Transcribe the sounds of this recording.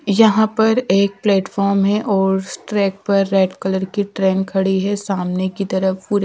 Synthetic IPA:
jɐɦãpɐɾeːk̚plɛːʈfɔːɾmɦɛʔɔːɾsʈɾɛːk̚pɐɾːɛːɖkɐləɾkiʈɾeːnkʰɐɽiɦɛsaːmnekit̪ɐɾəpuːɾ

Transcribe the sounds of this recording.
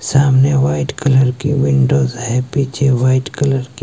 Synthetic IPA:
saːmneʋaːɪʈkɐləɾkiʋɪ̃ɳɖoːzɦɛpiːt͡ʃʰeʋaːɪʈkɐləɾki

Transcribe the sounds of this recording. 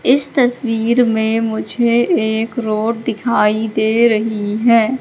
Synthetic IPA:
ɪst̪ɐswiːɾmẽmʊd͡ʒʱeeːkɾoːʈ̚d̪ɪkʰaːid̪eːɾɐɦiɦɛː

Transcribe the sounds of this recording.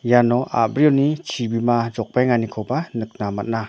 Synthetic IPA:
janɔʔa̰bɾiɔnit͡ʃʰibimad͡ʒɔk̚bajŋanikʰɔbanɯk̚namat̚na

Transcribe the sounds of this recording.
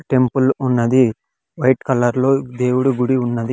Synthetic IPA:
ʈe̞mpulunːɐd̪i | ʋɐjʈkɐlɐɾlo̞ːd̪e̞ːwuɽuɡuɽiunːɐd̪i

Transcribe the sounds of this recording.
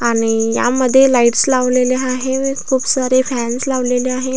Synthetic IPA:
aɽ̃ija̰məd̪ʱːjelaiʈslaʋleleaɦeekʰuːpsəɾefænslaʋleleaɦe

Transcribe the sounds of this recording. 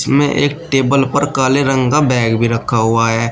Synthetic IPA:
smḛ̃ʔḛːk̚ʈeːbəlpəɾkaːleɾə̃ŋɡabɛːɡbʱiɾɐkʰːaɦʊaɦɛː

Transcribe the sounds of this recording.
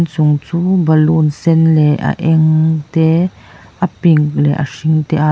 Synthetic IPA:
nsʊŋt͡suːbɐlunsɛnlɛʔa̰ʔɛŋt̪ɛ | ʔɐpiŋk̚lɛ̰ʔa̰ʂiŋt̪ɛʔa

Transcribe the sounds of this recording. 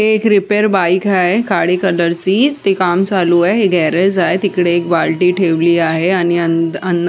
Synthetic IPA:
ɦeːkɾipeɾbaikaɦekaɽikələɾt͡siːt̪ekamt͡saluaɦɦeɡʱɛɾed͡zaet̪ikɽeːkbalʈiːʈʰeʋliːaɦeañiənənː

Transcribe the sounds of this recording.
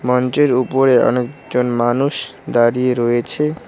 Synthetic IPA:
mɔnt͡ɕeɾupoɾeɔ̰nek̚d͡ʑonmanuʃd̪aɾieɾɔjet͡ɕʰe

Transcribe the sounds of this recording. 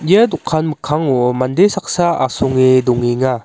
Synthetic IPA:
jadukʰanmɯkʰaŋomandesak̚saa̰sɔŋidɔŋiŋa

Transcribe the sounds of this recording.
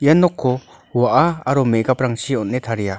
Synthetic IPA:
janːɔkʰːɔ | uwaʔaaɾɔmeɡapɾaŋsiɔnːet̪ʰaɾija

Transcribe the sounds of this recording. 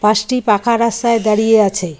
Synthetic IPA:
paʃʈipakʰaɾast̪aed̪aɽijeat͡ɕʰe

